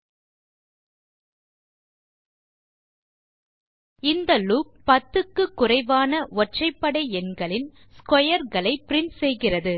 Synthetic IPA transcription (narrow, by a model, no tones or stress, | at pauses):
ɪnd̪ɐluːk̚pːɐt̪ːɯkːɯkːʊrɐɪʋaːnɐɔʈt͡ʃɐɪpːɐɽɐɪɛnɡɐɭɪn | skɔjɐɾɣɐɭɐɪpɪɾɪnsɛjɣɪrɐðɯ